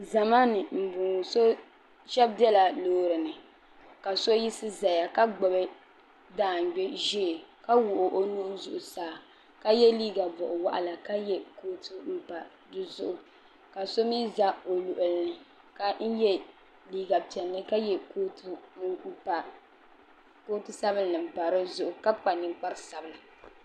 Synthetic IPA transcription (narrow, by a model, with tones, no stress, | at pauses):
za˨maː˦nɨ˨m̩˨buː˨so˦ | ʃɛ˦b̚di˦ɛ˦la˨loː˦ɾɨ˨nɨ˨ | ka˨so˦ji˦sɨ˦za˨ja˨ka˦ɡ͡bɔ˨bɨ˦ | daː˨ŋ˨ɡ͡bɛ˦ʒɛ˦˨ka˦wʊ˨ʔʊ˨ʔo˦nu˦zʊ˨ʔʊ˨saː˨˦˨ | ka˦jɛ˦liː˦ɡa˨bɔ˨ʔʊ˨wa̰˦ʔa̰˨la˨ka˦jɛ˦koː˦tɨ˦m̩˦pa˨ | dɨ˦zʊ̰˦ʔʊ˨ | ka˨so˦mi˦za˦o˨lu˨ʔʊ˨lnɨ˨ | ka˦n̩˦jɛ˦ | liː˦ɡa˨pɛ˨lnɨ˦ka˦jɛ˨ko˦t | a˨ | ko˦tɨ˦sa˦bɨ˦llɨ˨m̩˨pa˨ɾɨ˦zʊ˦ʔʊ˨ka˦bk͡pa˨nɨ˨ŋk͡pa˦ɾɨ˦sa˨bɨ˨la˨